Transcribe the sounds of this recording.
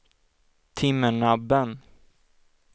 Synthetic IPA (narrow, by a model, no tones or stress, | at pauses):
t̪ʰɪmːəɳabːən